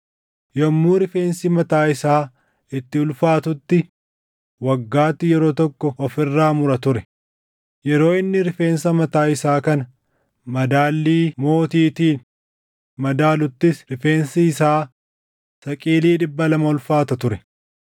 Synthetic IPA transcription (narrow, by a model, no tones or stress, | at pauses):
jɔmːuːɾɪfe̞ːnsimɐt̪aːɪsaː | ɪt̪ːɪʊlfaːt̪ʊt̪ːɪ | wɐɡːaːt̪ːɪjɛɾo̞ːt̪ɔkːɔɔfɪrːaːmʊɾɐt̪ʊɾɛ | jɛɾo̞ːɪnːɪɾɪfe̞ːnsɐmɐt̪aːɪsaːkɐnɐ | mɐd̪aːlːiːmo̞ːt̪iːt̪iːn | mɐd̪aːlʊt̪ːɪsɾɪfe̞ːnsiːsaː | sɐkʼiːliːᶑɪbːɐlɐmɐʊlfaːt̪ɐt̪ʊɾɛ